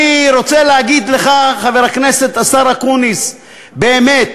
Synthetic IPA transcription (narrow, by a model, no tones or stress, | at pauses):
iʁo̞t͡seleaɡid̪le̞χaχaveʁakne̞se̞t̪asaʁakunis | be̞ːme̞t̪